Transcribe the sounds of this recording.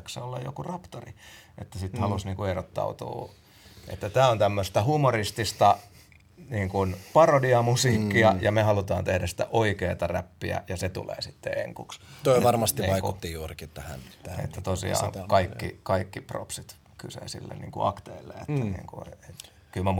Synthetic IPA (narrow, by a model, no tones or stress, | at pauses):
kseolːejjo̰kurɑpt̪oriet̪ːæsit̪hɑlusniːŋkueɾot̪ːɑ̰ut̪ṵː | ʔḛt̪ːæt̪æːont̪æmːøst̪æhumorist̪ist̪ɑ | niːŋkunpɑrodiɑmusiːkːiɑjɑmehɑlut̪ɑːnt̪ehdæsi̥t̪æ̰ʔoikeːt̪ɑræpːiæ̰jɑset̪ṵlḛːsit̪ːeḛŋkukst̪oiʋɑrmɑst̪iniːʋɑikut̪ːijuːrkit̪æhæ̰næhḛt̪ːæt̪osḭɑ̰ːŋkɑikːikɑikːipro̰psit̪ | kysḛːsḭlːḛnniːŋkṵʔɑ̰kt̪eilːḛet̪ːænnḭːŋkuet̪ | kylmæ